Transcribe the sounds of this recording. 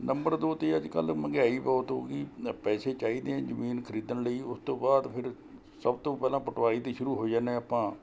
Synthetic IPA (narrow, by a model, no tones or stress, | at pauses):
nəmbəɾd̪oːt̪eːəd͡ʒkəlməɡaːiːpaːt̪õːkiːpɛːseːt͡ʃaːiːd̪ẽːãːzəmiːnkʰəɾiːd̪ənləiːʊst̪õːbaːd̪pʰɪɾ | səbt̪õːpɛːlãːpʊʈʋaːɽiːt̪iːʃʊɾuːɦoːd͡ʒaːnẽːapãː